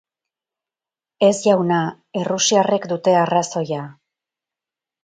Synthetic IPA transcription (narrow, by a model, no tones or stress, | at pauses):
e̞sʝawna | e̞rusiare̞kd̪ut̪e̞araso̞ja